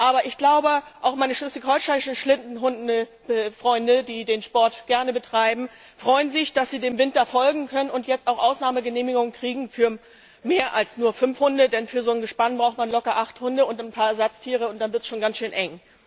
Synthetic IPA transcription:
ʔaːbɐʔɪçɡ̥laʊbəʔaʊxmaɪnəʃlʏsɪçhɔʏʃaɪʃn̩ʃlɪndn̩ɦʊndn̩ə | ɛfʁ̥ɔʏndədiːdeːnʃpɔɐtɡ̥ɛɐnəbətʁ̥aɪbm̩ | fʁ̥ɔʏənzɪçd̥asz̥iːdeːmvɪntɐfɔlɡŋ̩kʰœnənʊntjɛt͡staʊxʔaʊsnaːməɡəneːmɪɡʊŋənkʁ̥iːɡŋ̩fyːɐ | meːɐʔalsnuːɐfʏmfhʊndədɛnfyːɐzoːnɡəʃpanbʁaʊxtmanlɔkɐʔaχthʊndəʊntanpʰaːɐɛɐzat͡stʰiːʁ̞əʊntd̥anvɪɐtsʃoːnɡansʃøːnʔɛŋ

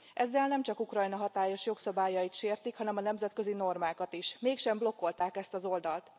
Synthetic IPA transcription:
ʔɛzːɛlnɛmt͡ʃɒkukrɒjnɒɦɒt̪aːjo̞ʃjo̞ksɒbaːjɒjit̪ʃeːrt̪ikhɒnɛmɒnɛmzɛt̪køzino̞rmaːkɒt̪iʃmeːkʃɛmblo̞kːo̞lt̪aːkɛst̪ɒzo̞ld̪ɒlt̪

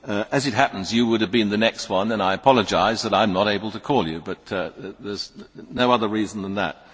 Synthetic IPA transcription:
ʔɨzɨt̚hæpn̩zjɨwʊɾɨvbɨ̃nðɨnɛkst̚wʌ̃nə̃naɪɨpʰɑlˠəd͡ʒaɪzðəɾãɪ̃mnəɾeɪbl̩ˠtʰɨkʰɔlˠjʉbʌt̪̚ðə˞znoʊʌðə˞ɹizn̩ðə̃nðə̰t̚

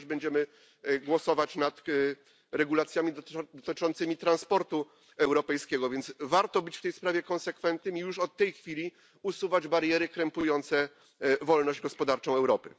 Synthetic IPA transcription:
d͡ʑbɛɲd͡ʑɛmɘ | ɡwɔsɔvat͡ɕnat̪ | ɾɛɡulat̪sʲjamʲid̪ɔt̪ɘt͡ʂɔnt̪sɘmʲit̪ɾanspɔɾt̪u | ɛwɾɔpɛjskʲɛɡɔvʲjɛnvaɾt̪ɔbɘt͡ɕft̪ɛjspɾavʲjɛkɔnsɛkfɛnt̪nɘmijuʂɔt̪ːɛjxfʲilʲi | usuvad͡ʑbaɾjɛɾɘkɾɛmpujɔnt̪sɛ | vɔlnɔʑd͡ʑɡɔspɔd̪aɾt͡ʂɔ̃w̃ɛwɾɔpɘ

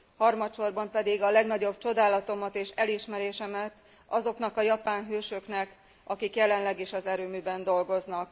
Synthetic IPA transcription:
hɒrmɒt̪ʃo̞rbɒmpɛd̪iɡɒlɛɡnɒɟo̞bt͡ʃo̞d̪aːlɒt̪o̞mɒt̪eːʃɛliʃmɛɾeːʃɛmɛt̪ | ɒzo̞knɒkɒjɒpaːnɦøːʃøknɛk | ʔɒkikjɛlɛnlɛɡeːʃɒzɛɾøːmyːbɛnd̪o̞lɡo̞znɒk

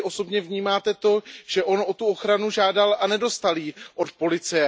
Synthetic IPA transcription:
ʔo̞so̞bɲɛvɲiːmaːt̪ɛt̪o̞ʒ̥ɛʔo̞nʔo̞t̪uoxɾanuʒaːdalʔanɛdo̞st̪aliːʔo̞t̪po̞lɪt͡sɪjɛ

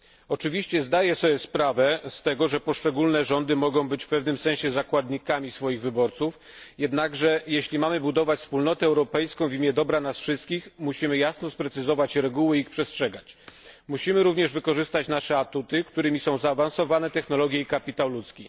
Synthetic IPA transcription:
ɔt͡ʂɘvʲiɕt͡ɕɛzd̪ajɛsɔbʲɛspɾavɛst̪ɛɡɔʐɛpɔʂt͡ʂɛɡulnɛʐɔnd̪ɘmɔɡɔ̃w̃bɘt͡ɕfpɛvnɘmsɛ̃ɕɛzakwad̪ɲikamʲisfɔjiɣvɘbɔɾt̪suf | jɛd̪naɡʐɛjeɕlʲimamɘbud̪ɔvat͡ɕfspulnɔt̪ɛɛwɾɔpɛjskɔ̃w̃vʲimʲjɛd̪ɔbɾanasfʂɘst̪̚kʲixmuɕimɘjasnɔspɾɛt̪sɘzɔvat͡ɕɾɛɡuwɘixpʂɛstʂɛɡat͡ɕmuɕimɘɾuvɲɛʐvɘkɔʐɘst̪at͡ɕnaʂɛat̪ut̪ɘkt̪uɾɘmʲisɔ̃w̃zaːvansɔvanɛt̪ɛxnɔlɔɡʲjɛikapʲit̪awlut̪skʲi

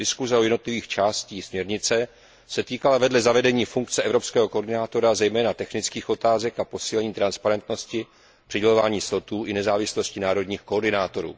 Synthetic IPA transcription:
dɪskuzɛojɛdnot̪lɪviːxt͡ʃaːsciːsmɲɛɾɲɪt͡sɛ | sɛt̪iːkalavɛdlɛzavɛdɛɲiːfuŋkt͡sɛɛvɾo̞pskɛːɦo̞ko̞ɾdɪnaːt̪o̞ɾazɛjmɛːnat̪ɛxnɪt͡skiːxo̞t̪aːzɛkapo̞siːlɛɲiːt̪ɾanspaɾɛnt̪no̞scɪ | pr̝̥ɪɟɛlo̞vaːɲiːsot̪uːʔɪnɛzaːvɪslo̞scɪnaːɾo̞dɲiːxkooɾdɪnaːt̪o̞ɾṵː

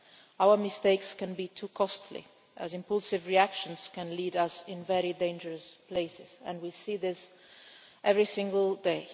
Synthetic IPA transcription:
aʊə˞mɨsteɪkskɨ̃nbitʰukʰɔstʰlḭ | ʔɨ̰zɨ̃mpʌlˠsɨvɹiækʃə̃nz̥kɨ̃nliɾʌsɪ̃nvɛɹidẽɪ̃nd͡ʒə˞ɨspʰl̥eɪsɪz̥ɨ̰̃nwisiðɪs | ʔɛvɹisɪ̃ŋɡəl̩ˠdeɪ

